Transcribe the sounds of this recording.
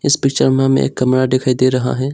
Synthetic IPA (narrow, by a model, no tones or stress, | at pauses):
ɪspɪkt͡ʃəɾmãmḛ̃ḛːkːəmɾad̪ekʰaid̪eɾɐɦa̰ɦɛː